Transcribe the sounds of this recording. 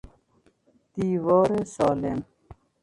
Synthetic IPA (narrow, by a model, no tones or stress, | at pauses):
d̪iːwɔːɾesɑːlḛm